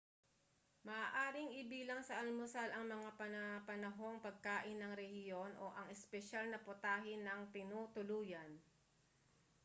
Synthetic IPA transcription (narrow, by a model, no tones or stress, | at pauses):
mɐʔaːʔaːɾɪŋɪbiːlɐŋsɐʔɐlmʊsalɐŋmɐŋapɐnɐpɐnɐɦo̞ŋpɐɡ̚kaːʔɪnːɐŋɾɛhɪjo̞nʔo̞̰ʔɐŋɛspɛʃalnɐpʊt̪aːɦɪnɐŋt̪ɪnuːt̪ʊluːjɐn